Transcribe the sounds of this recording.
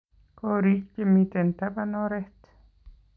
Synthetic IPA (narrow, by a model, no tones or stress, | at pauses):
koɾikemit̪ent̪apanoɾeht̪